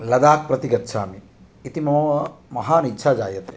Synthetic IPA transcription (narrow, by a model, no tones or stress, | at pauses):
lɐd̪aːk̚pɾɐt̪iɡɐt̪ːʃʰaːmi | it̪imɐmɐɐmɐɦaːnitːʃʰad͡ʒaːjɐt̪e̥